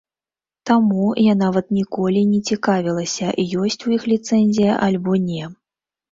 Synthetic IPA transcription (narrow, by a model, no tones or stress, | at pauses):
t̪amujanavɐt̪nʲikɔlʲinʲɛt͡sʲikavʲilˠɐsʲɐʔijɔsʲt͡sʲujixlʲit̪sɛnʲzʲijɐʔalʲbɔnʲɛ